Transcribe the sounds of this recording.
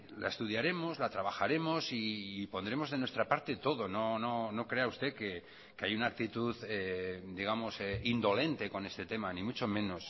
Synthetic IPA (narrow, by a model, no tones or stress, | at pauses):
lʔa̰est̪uðjaɾe̞mo̞zlat̪ɾaβaxaɾe̞mosiːpo̞nd̪ɾe̞mo̞zðe̞nwest̪ɾapaɾt̪e̞t̪o̞ðo̞no̞no̞no̞kɾe̞aust̪e̞ke | keajunaːk̚t̪it̪uðed̪iɣ̞amo̞seind̪o̞le̞nt̪e̞ko̞ne̞st̪e̞t̪e̞manĩmut͡ʃo̞mẽ̞no̞s